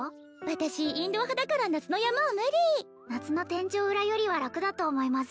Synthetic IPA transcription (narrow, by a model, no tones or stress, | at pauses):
βat̪aɕiĩnd̪o̞ɦad̪akaɾanat͡sɨno̞jamaomɯ̟ɾʲi | nat͡sɨno̞t̪ẽ̞ɲ̟t͡ɕo̞ːɯ̟ɾajo̞ɾʲiβ̞aɾakɯ̟d̪at̪o̞ːmo̞imasɨ̥